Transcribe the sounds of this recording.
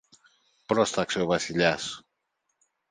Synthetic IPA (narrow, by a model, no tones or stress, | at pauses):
pɾɔst̪aksewβasiʎas